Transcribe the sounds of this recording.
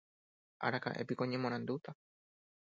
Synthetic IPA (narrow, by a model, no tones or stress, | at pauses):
ʔa̰ɾaka̰ʔḛpikoɲẽmõɾ̃ãnd̪ut̪a